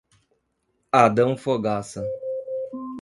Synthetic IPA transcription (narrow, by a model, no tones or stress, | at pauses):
ad̪ɐ̃w̃foɡasɐ